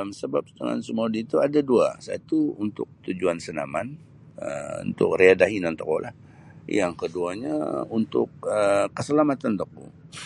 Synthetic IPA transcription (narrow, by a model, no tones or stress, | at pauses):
msəbap̚sə̥t̪əŋa̰nsəmuadit̪uadadua̰sa̰t̪uunt̪ʊk̚t̪ud͡ʒuansənaman | əṵnt̪ʊ̰k̚riadaɦinant̪ɔkɔlah | jaŋkəduaɲa̰unt̪ʊk̚əkːəsəlamat̪ant̪ɔk̚ṵŋ